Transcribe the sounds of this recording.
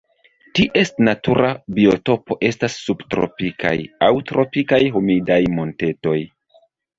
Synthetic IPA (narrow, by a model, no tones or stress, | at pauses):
tiʔe̞stnatuɾʔabio̞to̞po̞ʔe̞stasːubtɾo̞̰pikʰa̰jawtɾo̞pikajɦomidajmo̞nte̞to̞j